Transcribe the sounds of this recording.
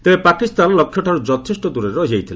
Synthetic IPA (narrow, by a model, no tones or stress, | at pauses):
t̪ebepakist̪anlɔkʰːjɔʈʰaɾud͡ʒɔt̪ʰesʈɔd̪uɾeɾɔɦejt̪ʰile